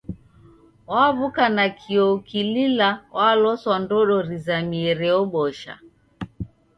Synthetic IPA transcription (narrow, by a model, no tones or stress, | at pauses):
waβukanakʰiɔkililawʔalɔswandɔɗɔɾizamiɛɾɛɔɓɔʃa̰